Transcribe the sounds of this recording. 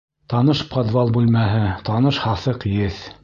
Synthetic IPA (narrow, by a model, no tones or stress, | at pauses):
t̪ɑnɤʃpɑd̪vɑlˠbʉlmæɦɘt̪ɑnɤʃhɑθɤqjɘθ